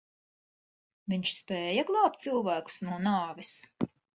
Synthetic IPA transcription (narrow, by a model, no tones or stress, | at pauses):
viɲʃspɛːjɐɡlˠɑwp̚t̪silˠvæːku̥snuɔnaːvis